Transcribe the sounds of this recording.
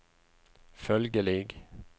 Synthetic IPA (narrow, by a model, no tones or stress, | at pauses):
fœlɡəlɪɡ